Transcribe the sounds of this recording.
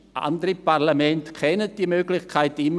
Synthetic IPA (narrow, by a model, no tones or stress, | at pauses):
ʔa̰ndəɾipaʁlamɛntkʰɛnət̚d̥iəmøːɡlɪçkʰaɪtɪmː